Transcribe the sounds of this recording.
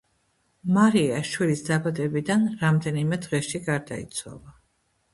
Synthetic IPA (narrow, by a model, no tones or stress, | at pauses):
maɾiaʃwilisd̪abad̪ɛbid̪anɾamd̪ɛnimɛd̪ʁɛʃiɡaɾd̪a̰ḭt̪sʰwa̰lˠa